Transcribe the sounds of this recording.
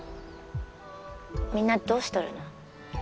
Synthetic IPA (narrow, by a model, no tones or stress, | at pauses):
mʲĩnːad̪o̞ːɕi̥t̪oɾɯ̟̰no